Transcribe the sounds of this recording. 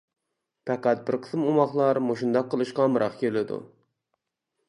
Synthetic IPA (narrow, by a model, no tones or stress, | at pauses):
pæqæt̪̚bɪɾqʰə̥smumɑχlˠɑɾmoʃund̪ɑk̚qʰːəlˠɨʃqɑmɨɾʔɑχkʲʰelɪd̪ṵ